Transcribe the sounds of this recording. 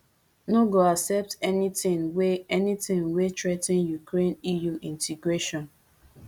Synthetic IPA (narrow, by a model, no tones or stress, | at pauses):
noɡoasɛp̚tɛnitĩŋweɛnitĩŋwetɹetĩnjukɹẽnijuĩntʰiɡɹeʃɔ̃n